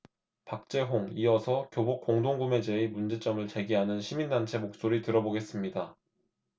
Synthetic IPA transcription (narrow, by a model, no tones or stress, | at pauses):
pak̚t͡ɕ͈e̞ɦoŋiʌsʰʌkjobok͈oŋdoŋɡume̞d͡ʑe̞imund͡ʑe̞t͡ɕ͈ʌmɯɭt͡ɕe̞ɡiɦanɯnɕʰimindant͡ɕʰe̞mok̚s͈oɾitɯɾʌboɡe̞s͈ɯmɲida